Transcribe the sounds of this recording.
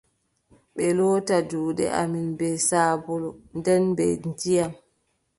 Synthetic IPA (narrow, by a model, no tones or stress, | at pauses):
ɓɛlɔːtaduːɗɛ̰ʔa̰minbɛsaːbɔlɔndɛnbɛ̰ntijam